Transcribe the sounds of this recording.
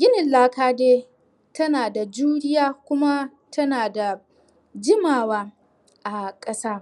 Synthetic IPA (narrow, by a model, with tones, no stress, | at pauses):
ɡʲɪ˦nɪ˨laː˦kaː˦deː˦ | tɐ˦naː˨da˨d͡ʒuː˦ɽɪ˦jaː˦kʷʊ˦ma˦ | tʰɐ˦naː˨da˨ | d͡ʒɪ˦maː˨waː˦ | ʔa˨kʼɐ˦saː˦